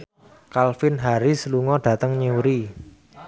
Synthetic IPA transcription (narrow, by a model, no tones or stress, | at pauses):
kalfɪnɦaɾisəluŋɔɖ̥ä̤t̪əŋɲewɾi